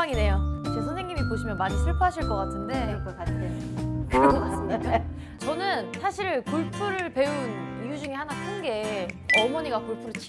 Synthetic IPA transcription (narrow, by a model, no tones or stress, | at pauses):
aŋine̞jot͡ɕesʰʌnsʰe̞ŋɲːimipoɕʰimjʌnmaɲisʰuɭpʰɦaɕʰiɭk͈ʌk͈atʰɯnde̞kaɕiekɯɾʌkʌk͈atʰɯni | t͡ɕʌnɯnsʰaɕʰiɾkuɭpʰuɾɯɭpe̞unijud͡ʑuŋehanakʰɯnɡe̞ʌmʌɲiɡakuɭpʰuɾɯɭt͡ɕʰi